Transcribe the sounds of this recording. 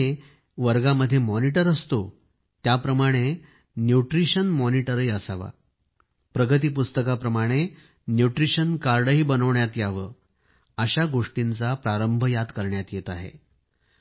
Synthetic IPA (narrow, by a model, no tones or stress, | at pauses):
e | ʋəɾɡaməd̪ʱːjemɔniʈəɾəst̪o | t̪japɾəmaɽ̃e | njuʈɾiɕənmɔniʈəɾiəsaʋa̰ | pɾəɡət̪̬iːpust̪əkapɾəmaɽ̃e | njuʈɾiɕənkaɾɖəɦiːbənəʋɳjat̪jaʋə | əɕaɡoʂʈint͡sapɾaɾəmbʱəjad̪kəɾɳjat̪jet̪aɦḛ